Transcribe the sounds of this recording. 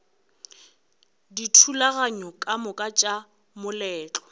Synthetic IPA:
ditʰulaɣaɲɔkʼamʊkʼat͡ʃʼa | mʊlɛːt͡ɬʼɔ̥

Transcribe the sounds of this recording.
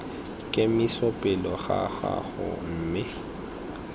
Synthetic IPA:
kʼɪmɪsɔpʼɪlɔɣaɣaɣʊ̰m̩ːmɪ

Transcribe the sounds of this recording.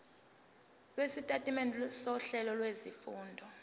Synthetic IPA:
lwesitʼatʼimɛnʱsɔɬɛlɔlwezifuːndʱɔ

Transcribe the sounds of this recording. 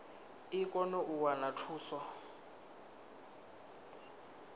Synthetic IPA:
ikʼɔnoʔuwanatʰuːsɔ

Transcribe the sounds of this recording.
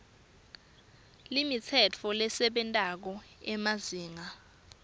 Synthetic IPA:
limit͡sʰɛt͡fʰɔlɛsɛɓɛntʼak̬ɔɛmaziːŋa

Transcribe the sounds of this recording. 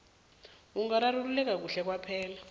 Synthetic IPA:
uŋaɾaɾululɛk̬ak̬uɬɛk̬wapʰɛːla

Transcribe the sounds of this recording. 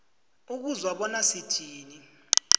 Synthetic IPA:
uk̬uzwaɓɔnasi̥d̥ʱiːni

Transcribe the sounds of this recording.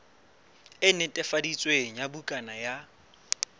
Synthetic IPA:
ɪnɪtʼɛfadit͡sʼweŋ̩jabukʼanaja

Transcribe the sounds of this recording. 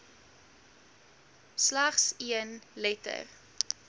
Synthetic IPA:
slaχsiənlɛtə̰r

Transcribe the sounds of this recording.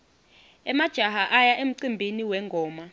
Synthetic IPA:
ɛmad̥ʒ̥ʱaɦaʔajaʔem̩ǀimbʱiniwɛŋɡʱɔːma

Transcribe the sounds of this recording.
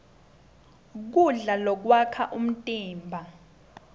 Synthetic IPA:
k̬uɮalɔk̬wakʰaʔum̩tʼiːmbʱa

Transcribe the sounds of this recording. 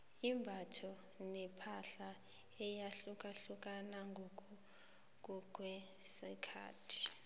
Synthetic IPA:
imbʱatʰɔ | nɛpʰaɬa | ɛjaɬukʼaɬukʼanaŋɡʱok̬ʼu | kʼuk̬ʼwɛ | sikʰa̰ːtʰi̥

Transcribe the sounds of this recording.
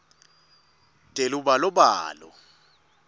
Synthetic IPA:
d̥ʼʱelubalɔbaːlɔ̰

